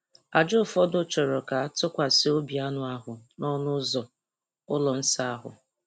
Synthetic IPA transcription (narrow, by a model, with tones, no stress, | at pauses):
a˨d͡ʒo˦˨fɔ˦dʊ˦t͡ʃɔ˨ɾɔ˨ka˨a˦tʊ˦kʷa˨sɪ˦o˦bi˨a˦nʊ˦a˦ɦʊ˨nɔ˦nʊ˦zɔ˨ | ʊ˦lɔ˨n̩˦sa˦a˦ɦʊ̰˨